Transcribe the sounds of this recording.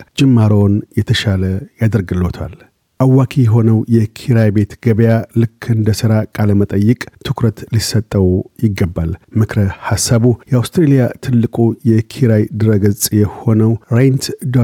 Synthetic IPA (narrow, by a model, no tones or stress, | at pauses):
d͡ʒɪmːaɾownjɛt̪ʰəʃaləjad̪əɾɡɨlot̪ʰa̰l | ʔawːakʰijɛɦo̞nəwjɛkʰiɾajbe̞t̪ɡəβjalɨkʰːɨnd̪əsɨɾakʼaləmət̪ʼəjːɨkʼt̪ʰɨkɾət̪lisːət̪ʼːəwjɪɡːəbːalmɨkɾəhasːaβujɛawst̪ɾelijat̪ʰɨlːɨkʼujɛkʰiɾajd̪ɨɾəɡəzt͡sʼjɛho̞nəwɾent̪d̪o